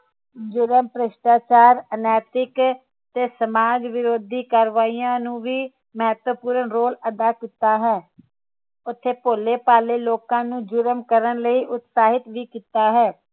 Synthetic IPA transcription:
d͡ʒʊɾəmpɾɪʃʈaːt͡ʃaːɾənɛːt̪ɪk | t̪eːsəmaːd͡ʒʋɪɾoːd̪ʱiːkaːɾʋaːiːãːnũːʋiː | məɦət̪əpuːɾənɾoːləd̪aːkiːt̪aːɦɛː | ʊt̪ʰːeːpoːleːpaːleːloːkãːnũːd͡ʒʊɾəmkəɾənləiːʔʊt̪saːɦɪt̪ʋiːkiːt̪aːɦɛː

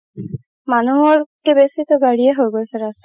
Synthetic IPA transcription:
manuɦɔɾkebesit̪oɡaɹieɦojɡoseɾast̪a

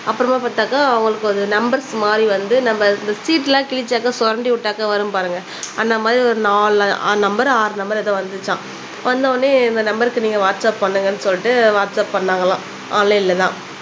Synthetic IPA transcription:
ɐpːɯɾɐmaːpaːt̪aːkaːʊŋɡɐɭɯkːɯɔðɯnɐmbɐɾsmaːd̪ɾiʋɐnd̪ɯnɐmbɐɾɪnd̪ɐsiːʈːlãːkɪɭɪt͡ʃːaːkːɐsɔɾɐɳɖiʋʊʈːaːkɐʋɐɾɯmpaːɾɯŋɡɐ | ɐnːɐmaːðɾiɔɾɯnaːɭnɐmbɐɾaːɾnɐmbɐɾɛðɐ̃ːʋɐnd̪ɯɯt͡ʃːãː | ʋɐnd̪ãnːeɪnd̪ɐnɐmbɐɾɯkːɯniːŋɡɐʋaːʈsɐppɐɳːɯŋɡɐnːɯsɔlːɪʈːɯʋaːʈsɐpːɐɳːaːŋɡɐlãː | ʔaːlɐɪlːɛt̪ã̰ː

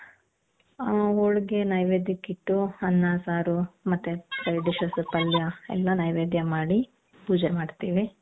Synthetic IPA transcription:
oɭɡenɐjʋeːd̪ikːiʈːuɐnːaːsaːɾumɐt̪ːepɾɐjɖiʂɐsupɐljɐɛ̰lːɐnɐjʋeːd̪jɐmaːɽi | buːd͡ʒɐmaːɖt̪iːʋi

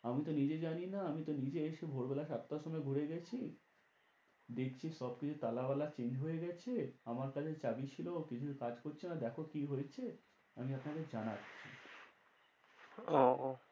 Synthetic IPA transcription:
amit̪onid͡ʑed͡ʑaninaamit̪onid͡ʑeeʃebʱoɾbɛlaʃat̪ːaʃomɔeɡʱuɾeɡɛt͡ɕʰi | d̪ekʰt͡ɕʰiʃɔbkit͡ɕʰut̪alabalat͡ɕend͡ʑɦojeɡɛt͡ɕʰeamaɾkat͡ɕʰet͡ɕabit͡ɕʰilokit͡ɕʰukad͡ʑkoɾt͡ɕʰinad̪ɛkʰokiɦojet͡ɕʰe | a̰miapnaked͡ʑanatːɕʰḭ | ɔ

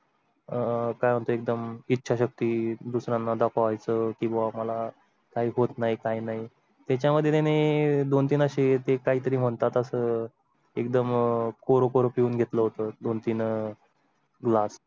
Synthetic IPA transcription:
kajʋ̤əɳt̪oek̚d̪əmitːɕʰaɕək̚t̪iːd̪usɾãnːad̪əkʰaʋajt͡səkĩw̃ʋaməla | kaɦiːɦot̪naɦikajnaɦi | t̪jat͡ɕjaməd̪ʱjet̪ened̪ont̪iːnəɕet̪ekaɦiːt̪əɾiːm̤əɳt̪at̪əsə | ekd̪əmkoɾokoɾopiuːnɡʱet̪ləɦot̪əd̪ont̪iːn | ɡlas

